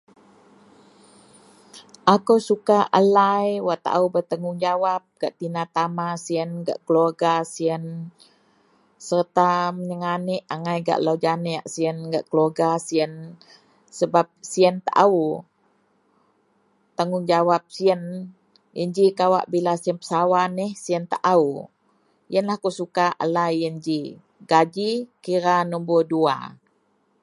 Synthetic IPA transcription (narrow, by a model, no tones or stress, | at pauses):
ʔakəwsukaʔalajwaʔt̪a̰ʔa̰ubət̪əŋʊŋd͡ʒawap̚ɡ̥aʔt̪inat̪amasiənɡa̰ʔkəloɡasiən | sərt̪aməɲəŋaniʔaŋajɡa̰ʔlawd͡ʒaniaʔsiənɡaʔkəloɡasiən | səbap̚siənt̪aʔau | t̪aŋʊŋd͡ʒawap̚siən | jənd͡ʒikawa̰ʔbilasiənpə̥sawanɪhsiənt̪aʔau | jənlahkusukaʔa̰lajənd͡ʒi | ɡad͡ʒikiɾanumbudua̰